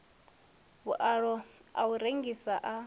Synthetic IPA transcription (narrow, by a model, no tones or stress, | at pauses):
βuʔaɺɔa̰uɾeŋɡisaʔa